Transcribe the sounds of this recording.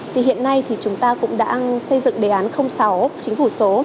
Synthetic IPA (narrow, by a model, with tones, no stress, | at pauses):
t̪ʰi˨˩ɦḭ˧˨ənːa˧jt̪ʰi˨˩t͡ɕʊ˨˦ŋ͡mt̪aː˧kʊ̰˧˥ŋ͡mɗa̰ː˧sə˧jzɨ̰˧˨ŋɗe˨˦ʔaː˨˦nxə˧wŋ͡msa˨˦wt͡ɕï˨˦ŋ̟fu˧˩so˨˦